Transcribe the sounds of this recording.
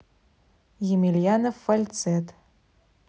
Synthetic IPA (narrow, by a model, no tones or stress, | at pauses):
jemilʲjanofːalʲt͡sʰet̪